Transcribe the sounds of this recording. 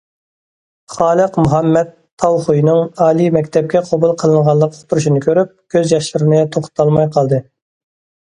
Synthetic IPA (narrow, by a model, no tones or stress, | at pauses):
χɑːlˠəqmuɦɛmːɛt̪ʰːɑwχujnɨŋɑːlˠimɛkʲt̪ʰɛp̚kʲɛqʰobulˠqʰəlˠɨɴʁɑlˠəqo̥t̪ʰuɾuʃinɨkʲʰøɾyp̚kʲʰøzjɑʃlɨɾɨnɨt̪ʰoχʰt̪ʰɑlˠmɑjqʰɑlˠd̪ɨ